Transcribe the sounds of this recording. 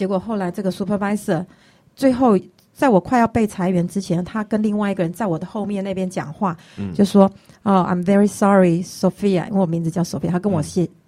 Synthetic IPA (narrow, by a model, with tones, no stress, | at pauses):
t͡ɕjɛ˧˥kwɔ˨˩xo˥˩ʊla˧˥ɪʈ͡ʂɤ˥˩ɡə˩su˥pʰə˥˧pa˥ɪsə˥˩ | t͡swe˥˧ɪxo˥˩ʊ | t͡sa˥˩ɪwɔ˨˩kʰwa˥˧ɪjɑ˥˧pe˥˩ɪt͡sʰa˧˥ɪɥɛ˧˥nʈ͡ʂɻ̩˥t͡ɕʰjɛ˧˥nt̪ʰa˥kə˥nli˥˧ŋwa˥˩ɪi˧˥ɡə˨˩ɻə˧˦nt͡sa˥˩ɪwɔ˨˩d̪ə˦xo˥˧ʊmjɛ˥˧ne˥˩ɪpjɛ˥nt͡ɕjɑ̰˨˩ŋxwa˥˩ | t͡ɕjo˥˧ʊʂwɔ˥o˥˧ã̰˨˩ɪ̃mvɛ˦˥ɹi˧sɑ˦ɹi˨so˨fi˥a̰˨ʔḭ˥we˥˩˨wmi˧˦d͡zɹ̩˧t͡ɕjɑ˥˧ʊso˨˩fi˧a˨˩a˥kə˦nwɔ˨˩ɕjɛ˥˩